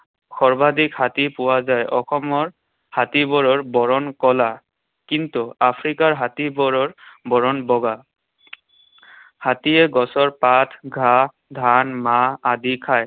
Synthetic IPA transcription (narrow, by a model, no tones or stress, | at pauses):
xɔɹbadikhatipʊwazajʔɔxɔmɔɹ | hatibɔɹɔɹbɔɹɔnkɔla | kintuapʰɹikaɹɦatibɔɹɔɹbɔɹɔnbɔɡa | hatijɛɡɔsɔɹpatʰɡʱa | dʱanmaːdikʰaj